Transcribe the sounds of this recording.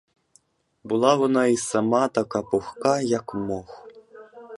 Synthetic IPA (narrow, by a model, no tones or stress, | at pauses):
bulˠavɔnaisamat̪akapɔxkajakmɔx